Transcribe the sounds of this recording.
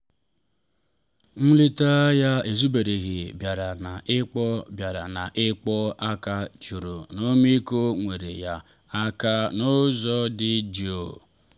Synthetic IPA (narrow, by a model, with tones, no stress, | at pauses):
n̩˦li˦ta˦ja˦e˨zu˦be˨ɾe˨ɣɪ˨bja˨ɾa˨na˨ʔɪ˦k͡pɔ˦bja˨ɾa˨na˨ʔɪ˦k͡pɔ˦a˦ka˦t͡ʃu˨ɾo˨no˦mi˦ko˦ŋʷe˨ɾḛ˨ja˦ | a˦ka˦nʊ˦zɔ˦dɪ˦d͡ʒi˦˨o̰˨